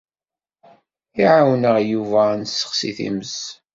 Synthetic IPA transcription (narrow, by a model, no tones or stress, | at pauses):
iʕawnəʁjuvænsːə̥χsḭθḭməs